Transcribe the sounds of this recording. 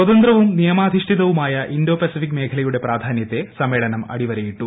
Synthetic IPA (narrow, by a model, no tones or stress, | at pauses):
swɐðɐnd̪rɐʋumnijɐmaːd̪ʱiʂʈʰiðɐʋumaːjɐʔindo̞ːpesifikːme̞ːkʰɐlɐjuɽe̞praːd̪ʱaːnjɐt̪ːe̞sɐmːe̞ːɭɐnɐmɐ̰ɽiʋɐɾɐjiʈːu